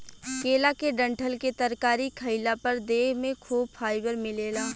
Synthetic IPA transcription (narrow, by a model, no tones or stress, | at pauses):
keːlakeɖɐ̃ɳʈʰəlket̪ɐɾkaːɾikʰɐɪlapɐɾd̪eːɦmẽkʰuːb̚faːɪbəɾmɪleːlaː